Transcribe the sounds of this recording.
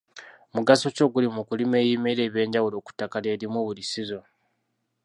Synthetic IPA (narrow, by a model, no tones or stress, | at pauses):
muɡaso̞co̞ːɡulimukulime̞ːjiːme̞iɾe̞ːβje̞ːɲɟawulo̞ːku̥tːakale̞ːɾimuβulisizo̞